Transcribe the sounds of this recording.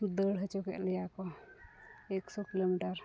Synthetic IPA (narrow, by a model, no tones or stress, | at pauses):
ud̪əɽɦət͡ʃɔkɛ̰ʔlɛjakɔ | ɛksɔkilomiʈaɾ